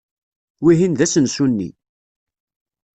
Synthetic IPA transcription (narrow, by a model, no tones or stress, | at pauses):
wiɦinðæsənsunːḭ